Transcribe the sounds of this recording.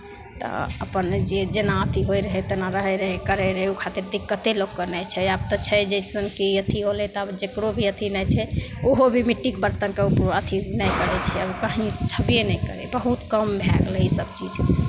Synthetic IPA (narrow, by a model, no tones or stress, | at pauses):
t̪ɔ̰ə̰pənd͡ʒed͡ʒenaət̪ʰiɦojɾəɦɛt̪enaɾəɦɛɾəɦɛkəɾɛɾəɦɛukʰat̪iɾd̪ikːət̪elokːənɛt͡ʃʰɛab̚t̪ɔt͡ʃʰɛd͡ʒɛjsənkeət̪ʰiɦolɛt̪ɔəbd͡ʒekɾobʱiət̪ʰinɛjt͡ʃʰɛoɦobʱimiʈːikbəɾt̪ənkeupɾoət̪ʰinɛjkəɾɛt͡ʃʰɛəbkəɦĩt͡ʃʰəpjenɛjkə̰ɾɛ̰bəɦut̪kəmbʱɛɡlɛisəb̚t͡ʃid͡ʒ